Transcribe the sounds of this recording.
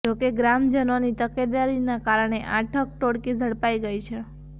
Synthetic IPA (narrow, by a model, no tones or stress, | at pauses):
d͡ʒokeɡɾamd͡ʒənonit̪əked̪aɾinakaɾəɳ̃eʔaʈʰək̚ʈoɽkid͡ʒʱəɽpaiɡəit͡ʃʰe